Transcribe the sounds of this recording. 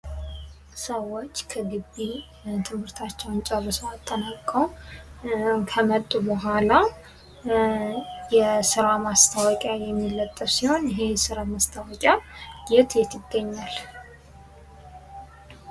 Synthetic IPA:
səwːo̞t͡ʃːkʰəɡɨbːi | t̪ʰɨmhɨɾt̪ʰat͡ʃːɛwnt͡ʃʼɛrɨsoat̪ʼːənakʼːəw | kʰəmət̪ʼːubəɦʷala | jɛsɨɾamast̪ʰawɔkʼjajɛmːilːət̪ʼːɨβsiho̞njɪɦe̞sɨɾamast̪ʰawɔkʼjaɡet̪ʰjɛt̪ʰɪɡːəɲːal

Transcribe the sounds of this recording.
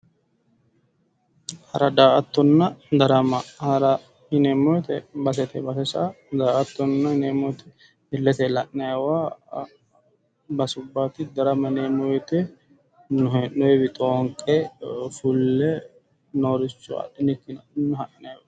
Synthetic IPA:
hɐɾɐd̪aːʔɐt̪ːɔnːɐd̪ɐɾɐmɐhɐɾɐ | hɪnemːɔjt̪ɛbɐs̬ɛt̪ɛbɐfɛsa | d̪aːʔɐt̪ːɔnːɐhɪneːmɔjt̪ɛ | ɪlːɛt̪ɛlɐʔɐjɐwaː | bɐsʊbːaːt̪ɪd̪ɐɾɐmɐneːmɔjt̪ɛ | nʊɛnːɔɛbɪt̪ʼoːŋkʼːefʊlːɛ | noːɾɪt͡ʃːʊɐ̰ᶑɪnɪkːɪnɐnːʊhɐʔɪnɐjwa

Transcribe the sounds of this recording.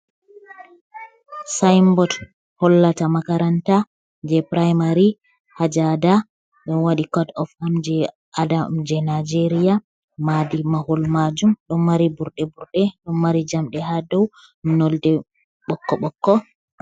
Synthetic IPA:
sajmbɔd | hɔlːatamakaɾanta | d͡ʒɛpɾajmaɾi | had͡ʒada | ɗɔnwaɗikɔdɔfamd͡ʒɛ | ʔadad͡ʒɛnad͡ʒeɾija | madimahɔlmad͡ʒumɗɔnːaɾibuɾɗɛbuɾɗɛɗɔnːaɾid͡ʒamɗɛhadɔw | nɔldɛ | ɓɔkːɔɓɔkːɔ

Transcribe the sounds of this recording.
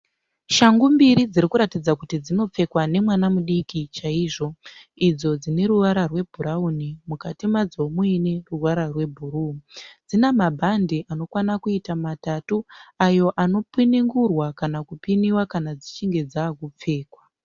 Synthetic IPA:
ʃaŋɡumbiɾid͡ziɾikuɾatid͡zakutid͡zino̞p͡fe̞kwane̞mwanamuɗikit͡ʃaiʐo̞ | id͡zo̞d͡zine̞ɾuʋaɾarwe̞bʱuɾaunimukatimad͡zo̞muine̞ruwaɾarwe̞bʱuɾud͡zinamabʱandiʔano̞kwanakuitamatatuajo̞ʔano̞pwiniŋɡurwakanakupiniwakanad͡zit͡ʃiŋɡe̞d͡zaːkup͡fe̞ːkwa

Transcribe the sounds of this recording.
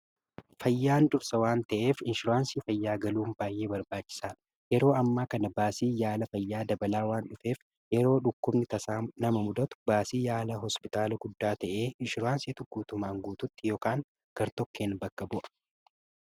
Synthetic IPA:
fɐjːaːnd̪ʊɾsɐwaːnt̪ɐʔe̞ːfɪnʃɪɾaːnsiːfɐjːaːɡɐluːmbaːjʔe̞ːbɐɾbaːt͡ʃːɪ̥saː | jɛɾo̞ːɐmːaːkɐnɐbaːsiːjaːlɐfɐjːaːd̪ɐbɐlaːwaːnᶑʊfe̞ːf | jɛɾo̞ːᶑʊkːʊbnɪt̪ɐsaːmnɐmɐmʊd̪ɐt̪ʊ̥baːsiːjaːlɐɦɔspɪt̪aːlɐɡʊd̪ːaːt̪ɐʔe̞ːɪnʃɪɾaːnsiːt̪ʊkːuːt̪ʊmaːŋɡuːt̪ʊt̪ːɪjoːkaːŋ | ɡ̥ɐɾt̪ɔkːeːnbɐkːɐbʊʔɐ̥

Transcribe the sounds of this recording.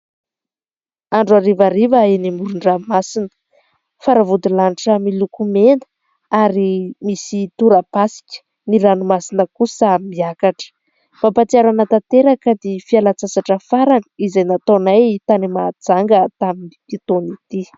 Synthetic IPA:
aɳɖ͡ʐaɾivaɾivəenimuɾuɳɖ͡ʐamasinə̥ | faɾavud̪ilaniʈ͡ʂəmilukumend̪ə̥ | aɾimisit̪uɾapasi̥kʲə̥ | niɾanumasinəkusmmiakaʈ͡ʂə̥ | mapat̪iaɾanat̪at̪eɾakəd̪efialat͡sasaʈ͡ʂəfaɾanizajnat̪onajt̪animad͡zaŋɡət̪aminip̪it̪onit̪i

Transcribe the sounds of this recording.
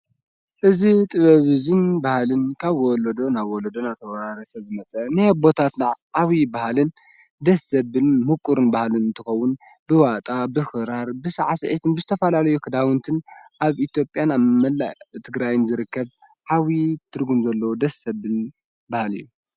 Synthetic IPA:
ʔɨzit̪ʼɨβɐβɨzɨnbahlɨnkʰaβwɔlɐd̪o̞naβwɔlɐd̪onat̪ʰɐwɐɾaɾɐsɐzɨmɐt͡sʼɐnɨbo̞t̪ʰat̪naʕʕawibahalɨn | d̪ɐsːɐβɨnmukʼːuɾɨnbahlɨnɨnt̪ʰɨxɐwːʊn | bɨwat̪ʼabɨxɨɾaɾbɨsaʕasɐʕit̪ʰɨnbɨzɨt̪ʰɐfɐlalɐjukʰɨd̪awɨnt̪ʰɨnʔaβit̪ʰjo̞pʼjanamɐlːa̰t̪ʰɨɡɾajɪnzɨɾɨkːɐβ | ħawit̪ʰɨɾɡumzɐlːɐwod̪ɐsɐβɨn | bahlɨ̰jːu

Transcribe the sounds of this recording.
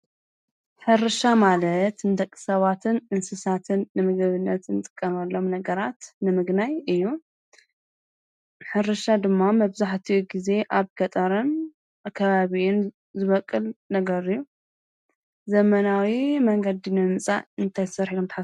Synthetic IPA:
ħɨɾɨʃamalɐt̪nɨd̪ɐkʼːɨ̥sɐβat̪ʰɨnʔɨnsɨsat̪ʰɨnːɨmɨɡɨβɨnːɐt̪ɨnt̪ʼɨ̥kʼːɐmɐlːo̞mnɐɡɐɾat̪nɨmɨɡnajɨjːu | ħɨɾɨʃad̪ɨmːamɐβzaħt̪ʰiʔuɡize̞ʔaβɡʰɐt̪ʼɐɾɨn | akʰːɐβaβiʔun | zɨβɐkʼːɨlnɐɡɐɾɨjːu | zɐmɐnawimɐŋɡɐd̪inɨmt͡sʼa̰ɨnt̪ʰajzsɐɾħid̪omt̪ħa

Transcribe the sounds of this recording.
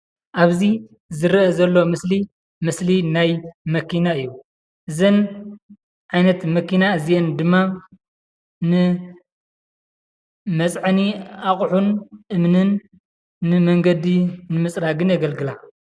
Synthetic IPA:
ʔaβzi | zɨɾʔɐzɐlːomɨsli | mɨslinajmɐkʰinaɨjːu | ʔɨzɨn | ʕajnɐt̪mɐkʰinaɨzijend̪ɨmːa | nɨ | mɐt͡sʼʕniaχʼħunʔɨmnɨnː | ɨmɐŋɡɐd̪inɨmɨsʼɾaɡɨnjɐɡɐlɡɨla

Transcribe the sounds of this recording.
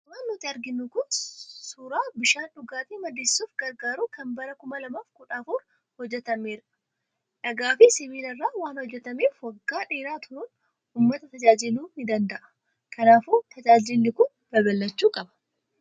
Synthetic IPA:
ʊmaːnːɔt̪ːɪɐɾɡɪnːʊkʊnsuːɾaːbɪʃaːnᶑʊɡaːt̪iːmɐd̪eːsːuːfɡɐɾɡaːɾuːkɐnbɐɾɐkʊmɐlɐmaːfkʊᶑaːfuːɾ | hɔd͡ʒːɛt̪ɐmeːɾɐ | ᶑɐɡaːfɪsɪβiːlɐrːaːwaːnhɔd͡ʒːɛt̪ɐmeːfwɐɡːaːᶑeːɾaːt̪ʰʊɾuːn | uːmːɐt̪ɐt̪ɐd͡ʒaːd͡ʒɪluːnɪd̪ɐnd̪ɐʔɐ̥ | kʰɐnaːfuːt̪ɐd͡ʒaːd͡ʒɪlːɪkʊn | bɐbɐlːɐt͡ʃːuːkʼɐbɐ̥

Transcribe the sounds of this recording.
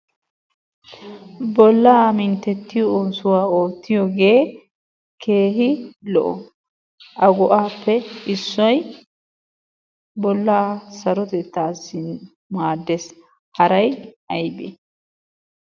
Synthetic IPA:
bɔlːaːmɪnt̪ːɛt̪ːɪjɔoːsʊwaːo̞ːt̪ːɪjɔɡe̞ː | ke̞ːɦɪlɔ̰ʔɔ | ʔɐɡɔʔaːpːɛɪsːɔj | bɔlːaːsɐɾɔt̪ɛt̪ːaːsɪ | maːd̪ːɛs | hɐɾɐj | ɐjbḛ

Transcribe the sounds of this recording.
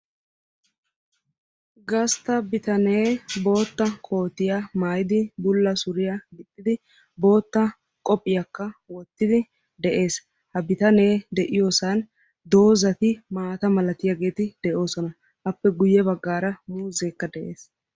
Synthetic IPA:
ɡɐst̪ɐbɪt̪ɐne̞ːbo̞ːt̪ːɐkʰʼo̞ːt̪ɪjamaːjɪd̪ɪbʊlːɐsʊɾɪjɐmɪt̪ʼːɪd̪ɪ | bo̞ːt̪ːɐ | kʼɔpʼːɪjɐkːɐwɔt̪ːɪd̪ɪ | d̪ɛʔe̞ːs | hɐbɪt̪ɐne̞ːd̪ɛʔɪjo̞ːsɐn | d̪o̞ːzɐt̪ɪmaːt̪ɐmɐlɐt̪ɪjaɡe̞ːt̪ɪd̪̥ɛʔo̞ːsɔnɐ | ʔɐpːɛɡʊjːɛbɐɡːaːɾɐmuːzeːkːɐd̪ɛʔe̞ːs

